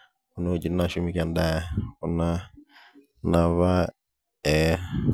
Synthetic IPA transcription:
uno˨d͡ʒi˨na˨ʃu˦mi˦ka˨nda˦kuna˦ | naβa˦ | ɛ

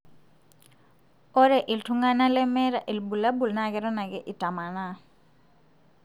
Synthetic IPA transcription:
o˦ɾɛ˨ʔɪ˨ltʰu˦ŋa˦na˦lɛ˦mɛ˦ɾa˨ʔi˨lbu˨la˦bu˨lna˦˨kɛ˦ɾɔ˦na˨kɛ˦ʔi˨tʼa˨ma˨na˨

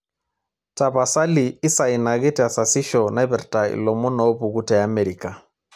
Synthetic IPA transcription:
ta˨βa˨sa˦liː˨˦sa˨i˨na˨ɣɛ˦tɛ˨a˨sa˨si˦ʃɔ˨na˦jbɛ˨ɾta˨ḭ˨lɔ˨mu˦na˨o˦bu˨ɡu˦tɛ˨a˦mɛ˨ɾi˨ka˨

